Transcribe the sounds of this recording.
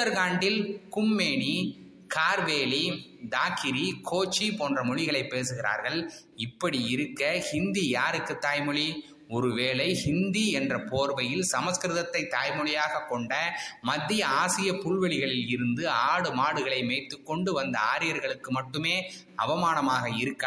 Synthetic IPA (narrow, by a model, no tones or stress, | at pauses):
ɐɾɣaːɳɖɪlkʊmːeːɳi | kaːɾʋeːli | d̪aːkɪɾikʰoːt͡ʃːipoːndrɐmʊɻɪɣɐɭɐɪpːeːsɯɣɪra̰ːɾɣɐɭ | ɪpːɐɽiɪɾɯkːɐhɪnd̪ijaːɾɯkːɯt̪ːaːjmɯɭi | ɔɾɯʋeːlɐɪhɪnd̪iɛndrɐpoːɾbɐjɪlsɐmɐskɾɯðɐt̪ːɐɪt̪ːaːjmɔɭɪjaːɣɐkːɔɳɖɐmɐd̪ːɪjɐaːsɪjɐpʊɭʋɛɭɪɣɐɭɪlɪɾɯnd̪ɯaːɽɯmaːɽɯɣɐɭɐɪmeːt̪ːɯkːɔɳɖɯʋɐnd̪ɐaːɾɪjɐɾɣɐɭɯkːɯmɐʈːɯmeː | ɐ̰ʋɐmaːnɐmaːɣɐɪɾɯkːa